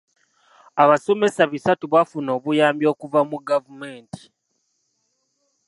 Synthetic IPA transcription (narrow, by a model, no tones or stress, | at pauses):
aβaso̞me̞saβisatuβafuno̞ːβujaːmbjo̞ːkuvamuɡavume̞ːnti̥